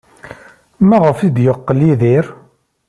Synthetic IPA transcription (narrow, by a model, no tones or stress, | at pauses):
mæʁəfid̪jəqːəliðiɾ